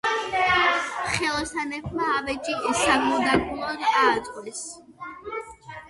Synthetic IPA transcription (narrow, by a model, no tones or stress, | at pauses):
χɛlˠɔsanɛpʰmaːvɛt͡ʃʼiʔɛsaɡlɔd̪akʼulˠɔd̪aːt̪sʼqʼwɛs